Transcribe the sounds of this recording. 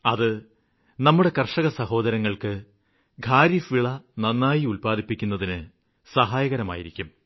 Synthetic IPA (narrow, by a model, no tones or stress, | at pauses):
ɐðɨ | nɐmːuɽe̞kɐrʂɐɣɐsɐho̞ːd̪ɐɾɐŋːɐɭkɨ | ɡʱaːɾifʋiɭɐnɐnːaːjiulpaːd̪ipːikʲːunːɐðinɨ | sɐɦaːjɐɣɐɾɐma̰ːjiɾikʲːum